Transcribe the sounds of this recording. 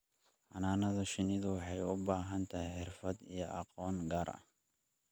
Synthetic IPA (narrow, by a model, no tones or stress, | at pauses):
ħɑnaːnɐðɐʃɪnɪðʊwɑħɑjʊbaːɦɐnt̪ʰɐhɛjħɪrfɐd̪ijɔʔɑqɔːŋɡaːɾɐ̰h